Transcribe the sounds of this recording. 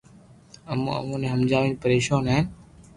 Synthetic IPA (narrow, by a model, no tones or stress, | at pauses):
əmũə̰mũːnẽːɦəmd͡ʒaːʋiːnpəɾeːʃaːnɦaɦɪn